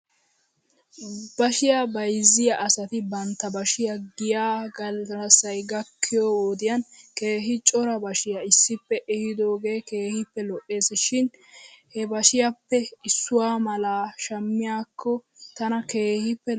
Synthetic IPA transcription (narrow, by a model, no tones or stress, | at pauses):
bɐʃɪjabɐjzːɪjɐʔɐsɐt̪ɪbɐnt̪ːɐbɐʃɪjɐɡɪjaːɡɐlsɐjɡɐkʰːɪjoːwoːd̪ɪjɐnkeːɦɪt͡ʃʼɔɾɐbɐʃɪjɐɪsːɪpːɛʔɛhɪd̪o̞ːɡe̞ːke̞ːhɪpːɛlɔʔːe̞ːsʃɪnhɛbɐʃɪjapːɛɪsːʊwaːmɐlaːʃɐmːɪjaːkʰːɔt̪ɐnɐke̞ːhɪpːɛ